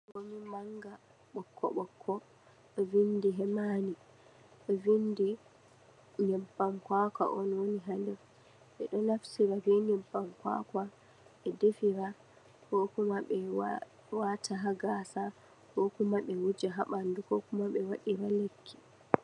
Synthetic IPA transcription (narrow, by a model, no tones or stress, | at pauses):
ŋɡomimaŋɡa | ɓɔkʰːɔ̰ɓɔkʰːɔ | ɗɔvindiɦɛmani | ɗɔvindi | ɲɛmbamkwaka̰ʔɔnwoniɦandɛ | ʔɛ̰ɗɔnafsiɾavɛɲɛmbamkwa̰ka | ʔɛdefiɾa | kɔkumaɓɛ | watʰaɦaɡasa | hɔkumaɓɛwud͡ʒaɦaɓandukɔkumaɓɛwaɗiɾalekʰːi̥